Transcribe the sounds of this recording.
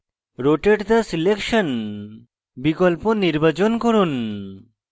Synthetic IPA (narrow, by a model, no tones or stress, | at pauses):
ɾoʈeʈd̪asilekʃɔn | bikɔlponiɾbat͡ʃonkɔɾun